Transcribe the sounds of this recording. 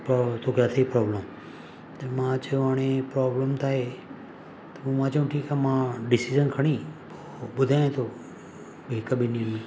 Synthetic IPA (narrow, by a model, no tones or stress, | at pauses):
pːt̪ʰokaːt̪ʰepɾɔːbləm | t̪ɐmãt͡ʃɐjõaːɽ̃ẽpɾɔːbləmt̪ʰaːɦeː | t̪ɐmũmãt͡ʃɐjũʈʰiːkamãɖɪsid͡ʒənkʰɐɽ̃iːpo | ɓʊd̪ʱaːẽt̪ʰo | beːkəbɪnijənmẽː